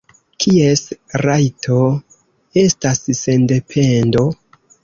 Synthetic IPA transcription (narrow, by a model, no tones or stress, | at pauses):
kʰie̞sɾajtʰo | e̞stasse̞nde̞pʰe̞ndo̞